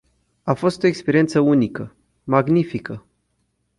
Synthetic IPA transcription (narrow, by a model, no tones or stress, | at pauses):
afo̞st̪o̞ekspe̞ɾiet̪səunikə | maɡnifikə